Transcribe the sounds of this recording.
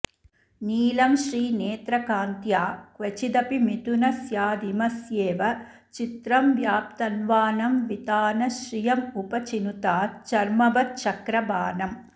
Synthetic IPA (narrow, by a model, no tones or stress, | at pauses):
niːlɐmʃɾiːneːt̪ɾɐkaːnt̪jaːkʋɐt͡ʃid̪ɐpimit̪unɐsjaːd̪imɐsjeːʋɐ | t͡ʃit̪ɾɐmʋjaːp̚t̪ɐnʋaːnɐmʋit̪aːnɐʃɾijɐmupɐt͡ʃinut̪aːt͡ʃɐɾmɐbɐt͡ʃɐkɾɐbaːnɐm